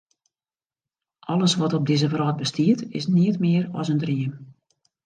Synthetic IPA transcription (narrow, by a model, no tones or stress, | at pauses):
ʔɔləsʋɔtɔb̚dɪzəfrɔːt̚bəstiətɪ̰sniətmɪəɾɔ̰səndriəm